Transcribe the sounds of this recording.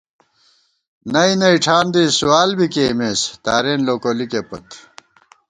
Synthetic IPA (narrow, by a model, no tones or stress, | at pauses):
nɐinɐiʈ͡ʂʰaːnd̪isuwaːlbikeːmeːst̪aːɾeːnloːkolikepɐ̰t̪